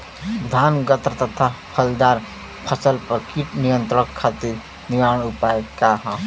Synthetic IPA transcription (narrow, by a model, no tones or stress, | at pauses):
d̪ʱanɡət̪ɾət̪ət̪ʰapʰəld̪aɾ | pʰəsəlpəɾkiʈnijənt̪ɾəəkʰːat̪iɾ | niʋaɽ̃upaekaɦã